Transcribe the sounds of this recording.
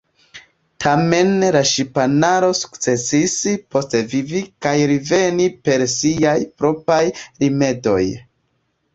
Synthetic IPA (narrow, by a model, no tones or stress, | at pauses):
tʰame̞nlaʃipanaɾo̞su̥kt͡se̞sispo̞stevivikajɾive̞nipe̞ɾsiajpɾo̞pajɾime̞do̞̰j